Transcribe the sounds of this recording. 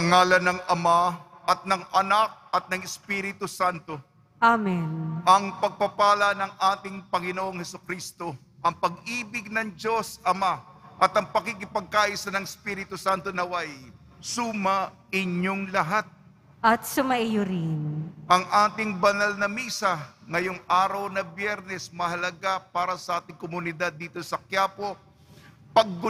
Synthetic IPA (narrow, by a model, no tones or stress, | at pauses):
ɐŋaːlɐnɐŋɐmaʔɐt̪̚nɐŋʔɐnak̚ɐt̪̚nɐŋɪspiːɾɪt̪ʊsant̪o̞ | ʔamɛnʔɐŋpɐɡ̚pɐpaːlɐnɐŋʔaːt̪ɪŋpɐŋɪnoʔo̞ŋhɛsʊkɾiːst̪o̞ | ʔɐŋpɐɡʔiːbɪɡ̚nɐŋd͡ʒo̞sɐmaʔɐt̪ɐŋpɐkikɪpɐɡ̚kaʔisɐnɐŋɪspiːɾɪt̪ʊsant̪o̞nɐwɐj | sumɐ | ʔɪɲoŋlɐɦat̪̚ | ʔɐt̪sʊmɐʔɪjʊɾɪnʔɐŋʔaːt̪ɪŋbɐnɐlnɐmiːsɐŋɐjoŋʔaːɾɐwnɐbjɛɾnɛsmɐɦɐlɐɡapaːɾɐsɐʔaːt̪ɪŋkomʊnɪd̪ad̪ːiːt̪o̞sɐkjaːpo̞ | pɐɡ̚ːʊ